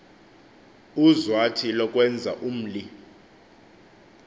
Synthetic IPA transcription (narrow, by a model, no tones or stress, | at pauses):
uzwatʰilɔkʼwɛnd͡zʱa̰ʔum̩li